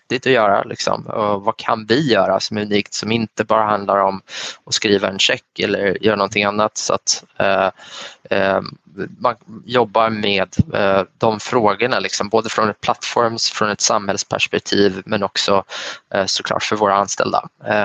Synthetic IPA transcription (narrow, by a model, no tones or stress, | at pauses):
t̪ːɪt̪ɔjœːɾa̰lɪ̰ksɔ̰mɔ̰vakʰanvɪjœːɾa̰sɔmæʉniːkt̪sɔmɪnt̪əbɑːɾaɦand̪laɾɔmɔskɾiːvaɛnɕɛkːɛlːəɾjœːɾanɔnt̪ʰɪŋanːat̪sɔa̰t̪ | manjɔbːaɾmeːd̪ːɔmfɾoːɡəɳalɪksɔmboːd̪əfɾɔnɛpʰlat̪ːfɔɾmsfɾɔnɛt̪samhɛlspʰæ̰ʂpɛk̚t̪ʰiːvmɛnɔksɔ | sɔ̥kʰlɑ̰ːʈfœɾvoːɾaanst̪ɛ̰ld̪a̰